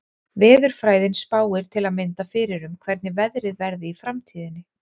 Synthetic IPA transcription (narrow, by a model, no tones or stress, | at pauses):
vɛːðʏɾ̥fɾaːjðɪnspaːwɪɾ̥t̪ʰɪlaðmɪnt̪afɪːɾɪɾʏmkʰvɛɾt̪nɪvɛðɾɪðvɛɾðɪifɾamt̪ʰiːðɪnːɪ